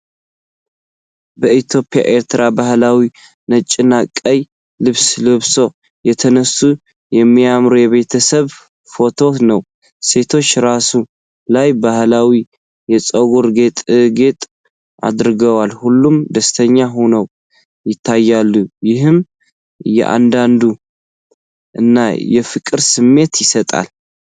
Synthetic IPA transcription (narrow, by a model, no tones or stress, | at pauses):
bəʔit̪ʰjo̞pʼja̰ʔe̞ɾt̪ʰɾabahlawi | nət͡ʃʼːɪnːakʼːəj | lɨβslɨβso̞ | jɛt̪ʰənəsːu | jɛmːijamɾojɛβe̞t̪ʰəsəβ | fo̞t̪ʰo̞nəw | se̞t̪ʰo̞t͡ʃːɾasu | lajbahlawi | jɛt͡sʼəɡoɾɡet̪ʼɡe̞t̪ʼ | ʔa̰d̪ɾɨɡəwalhulːumd̪əst̪ʰəɲːaɦunəw | jɪt̪ʰːajːalːujɪɦɨm | jɛ̰ʔa̰nd̪and̪u | ʔɨ̰nːajɛfɨkʼɨɾsɨmːe̞t̪jɪsət̪ʼa̰l